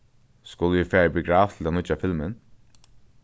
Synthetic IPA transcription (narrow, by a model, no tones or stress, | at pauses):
skʊləjɪfɛːɹbɪɡɹaːft̪ʰɪlanʊt͡ʃafɪlmɪn